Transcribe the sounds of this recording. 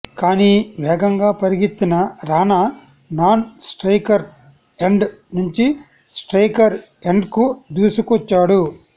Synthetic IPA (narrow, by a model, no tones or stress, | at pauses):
kaːniːʋɛːɡɐŋɡaːpɐɾiɡit̪ːinɐɾaːnɐ | naːnsʈɾɐjkɐɾ | eɳɖnuɲt͡ʃi | sʈɾɐjkɐɾ | e̞ɳɖkud̪uːsukʋɔt͡ʃːaːɽu